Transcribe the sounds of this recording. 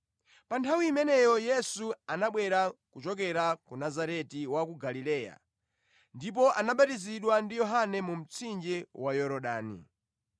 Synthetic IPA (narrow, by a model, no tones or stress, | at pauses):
pantʰawiːmɛnɛjɔjɛsuanaɓwɛɾakut͡ʃɔk̬ɛɾakunazaɾɛtiwakuɡalilɛːja̰ | ndip̬ɔʔanaɓatiziɗwandijɔɦanɛmum̩t͡sʰind͡ʒɛwajɔɾɔɗaːnḭ